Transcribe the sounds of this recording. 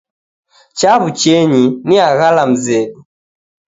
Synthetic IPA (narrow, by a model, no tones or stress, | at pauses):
t͡ʃaβut͡ʃɛɲiniaɣalam̩zɛɗu